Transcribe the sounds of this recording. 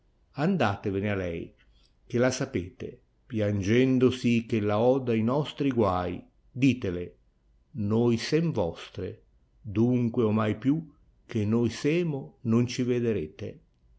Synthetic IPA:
and̪aːt̪evɪnealɛ̰j | k̟elasapeːt̪ḛ | pjand͡ʒɛnd̪osikelaɔd̪ainɔst̪ɾiɡwaj | d̪iːt̪ele | nojsɛɱvɔst̪ɾḛ | d̪uŋkweomajpju | kenːojsɛːmonont͡ʃived̪eɾeːt̪ḛ

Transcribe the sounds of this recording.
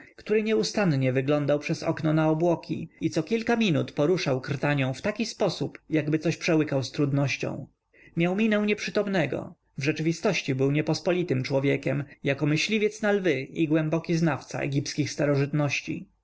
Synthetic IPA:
kt̪uɾɘɲɛust̪anɲɛvɘɡlɔnd̪awpʂɛsɔ̰knɔnaɔbwɔkʲʰḭit̪sɔkʲilkamʲinut̪pɔɾuʂawkɾt̪aɲɔ̃w̃ft̪akʲispɔsupjaɡbɘt̪ɔɕpʂɛwɘkawst̪ɾud̪nɔɕt͡ɕɔ̰̃w̃ | mʲjawmʲinɛw̃ɲɛpʂɘt̪ɔmnɛɡɔ̰ | vʐɛt͡ʂɘvʲist̪ɔɕt͡ɕibɘwɲɛpɔspɔlʲit̪ɘmt͡ʂwɔvʲjɛkʲɛmjakɔmɘɕlʲivʲjɛt̪snalvɘʔiɡwɛmbɔkʲiznaft̪sa̰ʔɛ̰ɡʲipskʲixst̪aɾɔʐɘt̪nɔɕt͡ɕḭ

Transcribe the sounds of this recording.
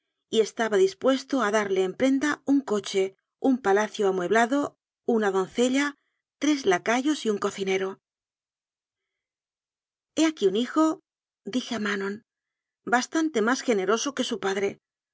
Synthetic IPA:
ie̞st̪aβaðispwe̞st̪o̞aðaɾle̞ːmpɾe̞nd̪auŋko̞t͡ʃe̞ | umpalaθjoamwe̞βlaðo̞ | unaðo̞n̟θe̞ʎa | t̪ɾe̞zlakaʝo̞siuŋko̞θine̞ɾo̞ | e̞akiunixo̞ | d̪ixeamanõ̞n | bast̪ant̪e̞masxe̞ne̞ɾo̞so̞ke̞supaðɾe̞

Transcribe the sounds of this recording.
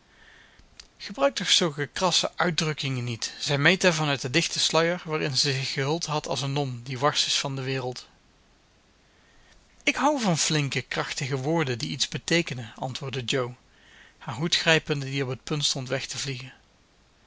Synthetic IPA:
χəbrœɥk̚tɔχsɵlˠkəkrɑsə̰ʔœɥdrɵkɪŋənitz̥ɛjmejtəɹvɑnœt̚dədɪxtəslœjəɹʋaːrɪnzɛjzɪxːəɦɵlˠtɦɑtɑ̰lˠzənːɔmdiʋɑɹsɪsfɑndəʋɪːrəlˠt | ɪkɦʌwvɑnflɪŋkəkrɑχtəɣəʋʊːɹdədiidzbətejkənəʔɑ̰ntʋʊːɹdəd͡ʒow | haːɹɦutxrɛjpəndədiɔpət̚pɵntstɔntʋɛχtəvliɣən

